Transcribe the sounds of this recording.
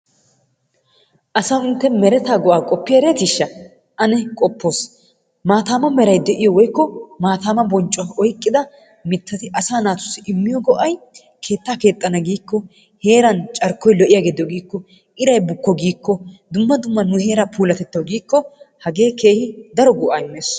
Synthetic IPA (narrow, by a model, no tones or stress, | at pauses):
ʔɐsaʊnt̪ːɛmɛɾɛt̪aːɡɔʔaːkʼɔpːɪjɐɾeːt̪ɪʃːɐ | ʔɐnɛkʼɔpːo̞ːs | maːt̪aːmɐmɛɾɐjd̪ɛʔɪjɔwɔjkːɔmaːt̪aːmɐbɔnt͡ʃʼːɔɐɔjkʼːɪd̪ɐ | mɪt̪ːɐt̪ɪʔɐsaːnaːt̪ʊ̥sːɪʔɪmːɪjɔɡɔʔɐj | kʰe̞ːt̪ːaːke̞ːt̪ʼːɐnɐɡiːkːɔ | he̞ːɾɐnt͡ʃʼɐɾkːɔjlɔʔɪjaːɡed̪ɪjɔɡiːkːɔ | ʔɪɾɐjbʊkːɔɡiːkːɔd̪ʊmːɐd̪ʊmːɐnʊhe̞ːɾɐpʰuːlɐt̪ɛt̪ːɐwɡiːkːɔhɐɡe̞ːkeːhɪd̪ɐɾɔɡɔʔaːɪmːeːs